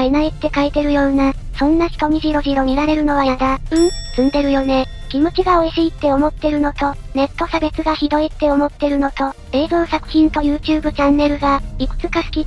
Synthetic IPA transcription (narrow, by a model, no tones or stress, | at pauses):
enait̪ːe̞kait̪e̞ɾɯ̟jo̞ːna | sõ̞nːaçi̥t̪o̞mʲiʑiɾo̞ʑiɾo̞mʲiɾaɾe̞ɾɯ̟no̞β̞ajad̪aɯ̟̃sɨ̃nd̪e̞ɾɯ̟jo̞ne̞ | kʲimo̞t͡ɕiɡao̞iɕiːt̪ːe̞o̞mo̞t̪ːe̞ɾɯ̟no̞t̪o̞ne̞t̪ːo̞sabe̞t͡sɨɡaçid̪o̞it̪ːe̞o̞mo̞t̪ːe̞ɾɯ̟no̞t̪o̞ | e̞ːzonsakɯ̟̥çʲĩnt̪o̞jɯ̟ːt͡ɕɨːbɯ̟t͡ɕãnːe̞ɾɯ̟ɡaikɯ̟̥t͡sɨ̥kasɨ̥kʲi